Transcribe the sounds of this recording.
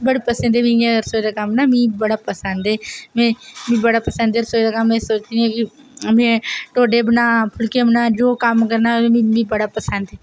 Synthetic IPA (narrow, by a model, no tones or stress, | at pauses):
bəɽepəsə̃nd̪ebĩeɾsoːd̪aːkamnaːmĩːbəɽaːpəsənd̪eːmẽːmĩːbəɽaːpəsə̃nd̪eːɾsoːd̪aːkamẽːsoːt͡ʃd̪iẽːki | mẽːʈoːɖebənaːpʰʊlkebnaːd͡ʒoːkaːmkəɾnaːẽĩmĩbəɽaːpəsə̃nd̪eː